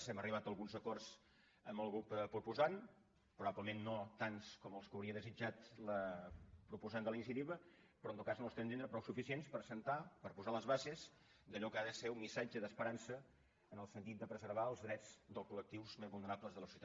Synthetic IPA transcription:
sɛməriβ̞at̪əlˠɣunzəkɔrz | əmbəlˠɣɾuppɾupuzan | pɾuβabləmenːot̪anskɔməlˠskəwɾiəðəzid͡ʒat̪ləpɾupuzand̪ələinisiət̪iβə | pɾɔnt̪ot̪kaznost̪ɛmnend̪ɾəpɾɔwsufisienspəɾsənt̪apəɾpuzaləzβazez | d̪əʎɔkaðəseumːisad͡ʒəðəspəɾansə | ənəlˠsənt̪it̪d̪əpɾəzəɾβaəlˠzðɾɛd͡zd̪əlˠkulək̚t̪iwzmezβulˠnəɾapləzðələsiuwt̪a

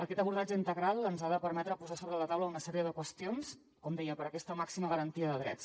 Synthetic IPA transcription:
əkɛt̪əβuɾðad͡ʒəint̪əɣɾalˠənzaðəpəɾmɛt̪ɾəpuzasoβɾələt̪awləunəsɛɾiəðəkwəst̪ions | kɔmd̪ɛjəpəɾəkɛst̪əmaksiməɣəɾənt̪iəðəðɾɛ̰ts

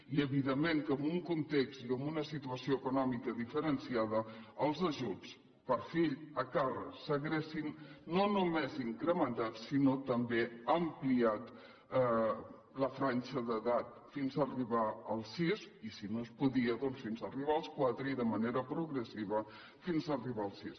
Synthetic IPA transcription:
iəβiðemːeŋkəmbuŋkunt̪ekst̪iəmunəsit̪uəsioəkunɔmikəðifəɾənsiaðəəlˠzəʒut͡s | pəɾfiʎəkarəsəɣɾesinːonumeziŋkɾəmənt̪at̪sinot̪əmbeəmpliat̪ | ləfɾanʲt͡ʃəðəðat̪̚ | finzəriβaəlˠsisisinoəspuðiəðɔnsfinzəriβ̞aəlˠskwat̪ɾəiðəməneɾəpɾuɣɾəsiβə | finzəriβaəlˠsis

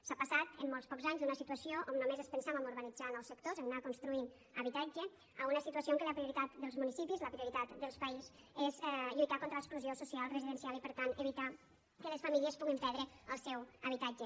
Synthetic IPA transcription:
sapasat̪əmːolˠspɔkzaɲzðunəsit̪uəsioʔomnomezəspənsaβəmuɾβənid͡zanəlˠsəkt̪ozəmnakunst̪ɾuin | əβit̪ad͡ʒə | əunəsit̪uəsioŋkələpɾiuɾit̪at̪d̪əlˠzmunisipizləpɾiuɾit̪at̪d̪əlˠspəizezɛʎujt̪akont̪ɾəəkspluziosusialˠrəziðənsialipəɾt̪anəβit̪a | kələsfəmiliəspuɣimpɛɾðɾəəlˠsɛwəβit̪ad͡ʒə

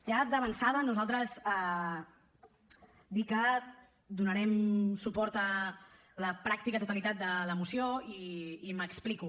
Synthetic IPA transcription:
jad̪əβənsaðənuzalˠt̪ɾəzɛ | d̪ikə | d̪unəɾɛmsupɔɾt̪ə | ləpɾak̚t̪ikət̪ut̪əlit̪at̪̚d̪ələmusioiːməkspliku

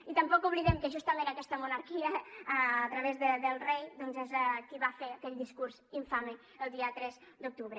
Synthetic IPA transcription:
it̪əmpɔkuβliðɛmkəʒust̪əmẽəkɛst̪əmunaɾkiəaːt̪ɾəβezðəd̪əlˠrejd̪ɔnzezkiβafeəkɛʎd̪iskuɾz̥iɱfamə | əlˠd̪iət̪ɾɛzd̪uk̚t̪uβɾə

